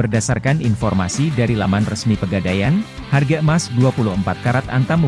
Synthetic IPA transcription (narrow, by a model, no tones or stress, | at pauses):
ərdasarkaninfɔrma̰sidaɾilamanrəsmipəɡadajan | harɡamasduapuluhəmpat̪̚kaɾat̪a̰nt̪amə